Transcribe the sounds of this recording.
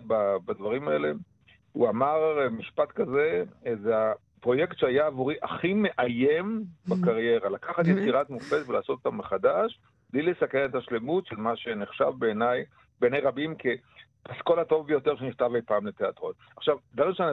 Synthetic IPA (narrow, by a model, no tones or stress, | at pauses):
babadvaʁimae̞le̞ | uamaʁmiʃpat̪kaze̞zea | pʁo̞jektʃeajaːvuʁiʔaχime̞ʔajembakaʁje̞ʁalakaχat̪̬jet͡siʁat̪mufetvelaːso̞t̪o̥t̪ammeχadaʃ | b̥lijlesakenet̪aʃle̞mutʃelmaʃe̞neχʃa̰vbe̞ːnaj | benejʁabimkʰe | pasko̞lato̞vbejo̞t̪e̞ʁʃeniχt̪avejpaːmlet̪eat̪ʁo̞t | aχʃavd̪vaʁimʃean